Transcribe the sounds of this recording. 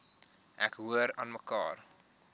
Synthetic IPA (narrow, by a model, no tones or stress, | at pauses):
ʔɛkɦuəɾɑːnməkɑ̰ːr